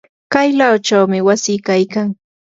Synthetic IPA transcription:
kajlawt͡ʃawmɪwasiːkajkaŋ

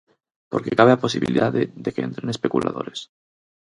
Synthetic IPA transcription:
po̞ɾke̞kaβ̞eapo̞siβḭliðaðeðekeẽ̞̰nt̪ɾene̞spe̞kula̰ðo̞ɾe̞s

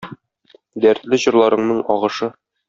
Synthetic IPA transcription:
d̪æɾt̪lɘʑɤ̆ɾlˠɑɾɤ̆ɴnɤɴɒʁɤ̆ʃɤ

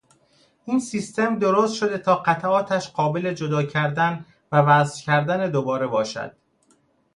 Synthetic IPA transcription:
ʔiːnsiːst̪e̞md̪o̞ɾoːst̪ʃo̞d̪e̞t̪ʰɒːɢæt̪ʰæʔɒːt̪ʰæʃɢɒːbe̞le̞d͡ʒod̪ɒːcʰæɾd̪æn | vævæzcʲʰæɾd̪æne̞d̪obɒːɾe̞bɒːʃæ̰d̪̥

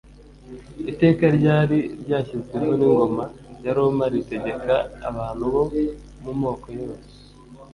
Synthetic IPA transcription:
ite̞ːkaɾɟaːɾiɾɟaːçikiɾɡoniŋɡo̞majaɾomaɾite̞ɟe̞ka̰ːβaːn̥huβo̞ | mumo̞ːko̞jose

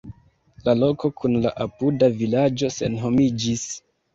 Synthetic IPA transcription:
lalo̞ko̞kunla̰ʔapudavilad͡ʒo̞se̞̰nɦo̞mid͡ʒis

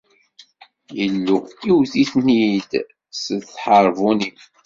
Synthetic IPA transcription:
jəlːuiwθiθnid̪ | səðθħəɾˤvunim

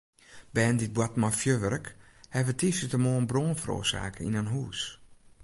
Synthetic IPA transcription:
b̥ɛːndit̚bwatmɔfjøʋəɾəkhɛvətʰisətəmoːənbroːnfəɾo̰ːsa̰ːkəḭnanɦuːs

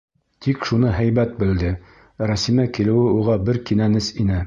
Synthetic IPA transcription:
t̪ikʃunɤɦæjbæt̪̚bɘ̆ld̪ɘ | ɾæsimækilɘ̆wɘuʁɑbɘɾkinænɘsinɘ

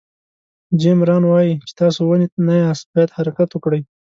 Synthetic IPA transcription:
d͡ʒemɾɑnwɑjit͡ʃe̥t̪ɑsowəninajɑsbɑjad̪haɾakat̪wəkɽəj

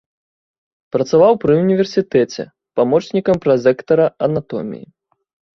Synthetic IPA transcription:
pɾɐt̪savawpɾɨunʲivʲɛrsʲit̪ɛt͡sʲɛ̰ | pamɔt͡ʂnʲikɐmpɾɐzʲɛkt̪ɐɾɐɐnat̪ɔ̰mʲḭjḭ

